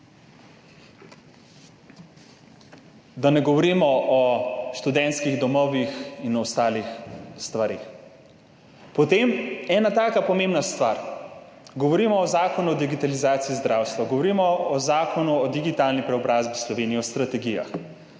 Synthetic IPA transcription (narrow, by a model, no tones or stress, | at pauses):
d̪anɛɡɔʋɔɾimɔʔɔʃt̪ud̪ɛnt̪skiɣd̪ɔmɔːʋixinɔɔst̪aːlixst̪ʋaɾeːx | pɔt̪emɛːnat̪aːkapɔmẽmbnast̪ʋaɾ | ɡɔʋɔɾiːmɔːzaːkɔnuɔd̪iɡit̪alizaːt̪siːzd̪ɾawst̪ʋaɡɔʋɔɾimɔɔzaːkɔnuɔd̪iɡit̪alnipɾɛɔbɾazbislɔʋeːniɛɔst̪ɾat̪ɛɡija̰x